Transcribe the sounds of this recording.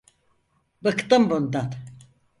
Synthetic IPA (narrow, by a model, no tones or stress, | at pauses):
bɯkt̪ɯmbund̪at̪